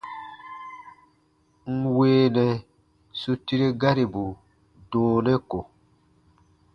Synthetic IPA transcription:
ŋ̩˦weː˦nɛ˨ | su˦ti˦ɾe˦ɡa˦ɾi˨bu˨ | dõː˨˦nɛ˦ko˨

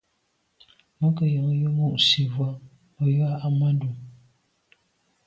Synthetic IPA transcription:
mə˦kə˨jə˨ŋ˦jə˦mu˦˨ʔsi˨vwa˦ | ə˨ja˦ʔa˦ma˦ndu˨

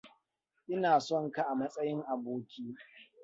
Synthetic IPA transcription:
ʔɪ˦naː˨sɔ˦ŋka˨ʔa˨mɐ˦sʼɐ˦jɪ˦ŋʔa˨boː˦kʲiː˦

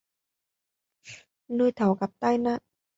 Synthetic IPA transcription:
nuː˧˩˨jt̪ʰa˨˩˦wka˨˦p̚t̪aː˥˩jna˧˥˩

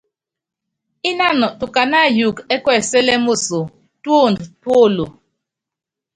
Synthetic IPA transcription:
i˦na˦˨nɔ˨tu˨ka˨na˦˨ju˨kɛ˦kwɛ˦˨sɛ˦lɛ˦mo˦so˨ | to˦˨ndtwo˦˨lo˨

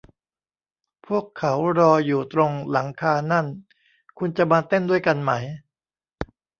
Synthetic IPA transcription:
pʰu˥˩əkʰːa˩˦wɾɔː˧juː˨˩t̪ɾo˧ŋla˩˦ŋkʰaː˧na˥˩n | kʰu˧nt͡ɕa˨˩maː˧t̪e˥˩ndu˥˩əjka˧nma˦˥j

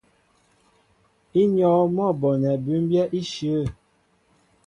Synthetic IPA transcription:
i˦ɲɔ˨˦mɔ˦˨bɔ˨nɛ˨bʉ˦m˦bjɛ˦ʔi˦ʃə˨ə˦˨

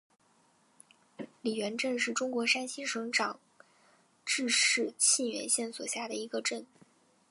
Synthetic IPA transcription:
li˨˩ɥɛ˧˥nʈ͡ʂɤ˥˧nʂɻ̩˥˩ʈ͡ʂʊ˥ŋkwɔ˧˥ʂa˥nɕi˥ʂɤ˧˥ŋʈ͡ʂɑ˨˩ŋ | ʈ͡ʂɻ̩˥˧ʂɻ̩˥˧ɕʰi˥˩nɥɛ̰˧˥nɕjɛ˥˩nswɔ̰˨˩ɕja˥˩d̪ə˩i˧˥ɡə˧ʈ͡ʂə˥˩n

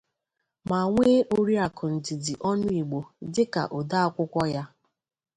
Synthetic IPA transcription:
ma˨ŋʷe˦ʔo˦ɾi˦a˨kʊ˨n̩˨dɪ˨dɪ˨ʔɔ˦nʊ˦i˨ɡ͡bo˨dɪ˦ka̰˨ʔo˨da˦a˦kʷʊ˦kʷɔ˦ja˦

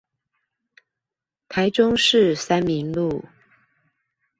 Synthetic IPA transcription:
t̪ʰa˨˦ɪʈ͡ʂʊ˦ŋʂɻ̩˥˨sa˦˥nmi˨˦ŋlu˥˨

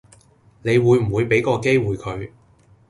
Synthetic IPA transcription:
ne˨˧jwuː˨˧jm̩˨˩wuː˨˧jpe˨˥jkɔː˧ke˥jwuː˨jkʰɵ˨˧ɥ

